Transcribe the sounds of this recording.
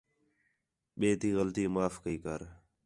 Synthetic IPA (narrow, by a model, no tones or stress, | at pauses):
ɓeːt̪iːɣəlt̪iːmaːfkəiːkəɾ